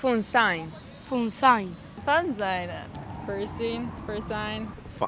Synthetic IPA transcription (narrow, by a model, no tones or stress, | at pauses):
funsajn | funsajn | fanzajna̰fəɹsinfəsajn | f